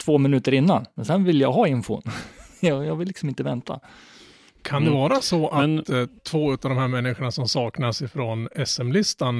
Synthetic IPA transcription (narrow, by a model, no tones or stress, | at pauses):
t̪ʰv̥oːmɪnʉ̟ːt̪əɾɪnːanmɛnsɛnvɪljaːɡɦɑɪnfʊ̰njɑjɑːɡvɪlːɪksɔmɪnt̪əvɛnt̪ʰa̰ | kʰand̪ɛvɑːɾasɔat̪ʰvoːʉ̟ːt̪avd̪ɔmɦæːɾmɛnːɪɧəɳasɔmsɑːknasɪfɾɔnɛsɛmlɪst̪an